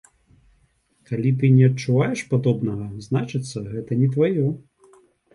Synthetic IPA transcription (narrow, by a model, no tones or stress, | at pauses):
kalʲit̪ɨnʲɛɐtt͡ʂːuvajɛʂpad̪ɔbnɐɣɐznat͡ʂɨt̪sːɐɣɛt̪ɐnʲɛt̪vajɔ